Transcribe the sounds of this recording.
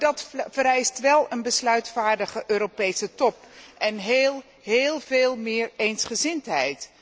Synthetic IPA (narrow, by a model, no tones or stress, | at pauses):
dɑtfəɾɛjstʋɛlˠənbəslœɥtfaːɹdəχəʔøːɾopejsətɔpʔɛnɦlˠ | ɦeːlˠveːlˠmɪːɹejnsχəzɪntɦɛ̰jt